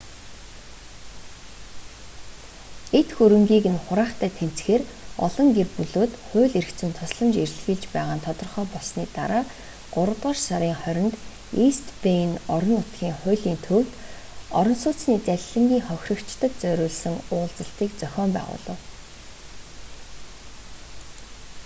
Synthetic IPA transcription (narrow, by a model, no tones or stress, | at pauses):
et̪xuɾɘ̆ŋɡʲiːkɘ̆nχʊɾaːχt̪ʰæːt̪ʰen̥t͡sxeːrɔɮɞ̆ŋɡerpuɮoːt̪χʊːɮeɾɘ̆kt͡sɘ̆nt̪ʰɔsɮɞ̆mt͡ɕerɮxĭɮt͡ɕpæːʁaːnt̪ʰɔt̪ɞ̆rχœːpɔɮsniːt̪a̰ɾaː | ɢ̥ʊɾə̆t̪ʁə̆ːʃsaɾʲiːŋχœɾʲɪ̆nt̪ | ist̪penɔɾɞ̆nːʊt̪ɡʲiːŋχʊ̟ːɮiːnt̪ʰɵwt̪ | ɔɾɞ̆nsʊːt͡sniːt͡sæɮʲɮə̆ŋɡʲiːŋχœxʲrɞ̆kt͡ɕt̪ə̆k̚t͡sœɾʲʊːɮsə̆ŋʊːɮt͡sə̆ɬt̪iːkt͡sœxʲɔːmpæ̰ːʁʊ̰ːɮə̆w